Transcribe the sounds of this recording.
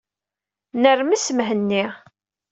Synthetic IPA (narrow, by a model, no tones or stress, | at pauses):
nərməsəmɦənːi